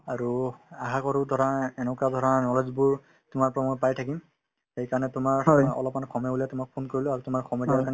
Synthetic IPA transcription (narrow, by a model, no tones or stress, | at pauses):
aɹuaxakɔɹudʱɔɹaɛnɛkadʱɔɹanɔlezbʊɹ | tʊmaɹpɹamɔjpajtʰakim | xejkaɹɔnɛtʊmaɹɔ̰lɔpmankʰɔmɛbuliatʊmak̚pʰonkoɹilʊaɹutʊmaɹkʰɔmɛdiaɹka